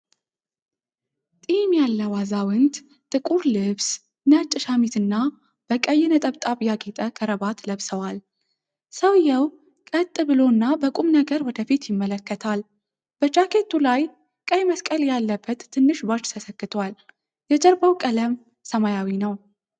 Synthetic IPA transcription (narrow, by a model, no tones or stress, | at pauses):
t̪ʼimjalːəwazawɨnd̪ | t̪ʼɨkʼuɾlɨβs | nət͡ʃʼːɨʃamit̪ɨnːa | b̥əkʼəjːɪnət̪ʼəβt̪ʼaβjaɡit̪ʼəkʰəɾəbat̪ləβsəwal | səwjɛw | kʼət̪ʼːɨbɨlo̞nːabəkʼumnəɡəɾwɔd̪əfit̪jɪmːələkːət̪ʰal | b̥ət͡ʃʼakʰe̞t̪ʰːulaj | kʼəjməskʼəljalːəbːət̪ːɨnːɨʃbat͡ʃːt̪ʰəsəkːɨt̪ʰwal | jɛt͡ʃʼəɾbawkʼələm | səmajawinəw